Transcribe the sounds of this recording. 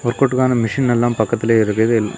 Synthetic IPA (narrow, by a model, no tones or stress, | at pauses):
ɔɾkoʈːɯkaːnɐmɪʂɪnɛlːaːmpɐkːɐt̪ːɪleːɪɾɯkːɐɐðɯl